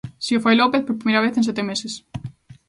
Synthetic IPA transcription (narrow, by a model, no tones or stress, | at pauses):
siofajlopeθpoɾpɾimejɾaβ̞eθẽns̬et̪emeses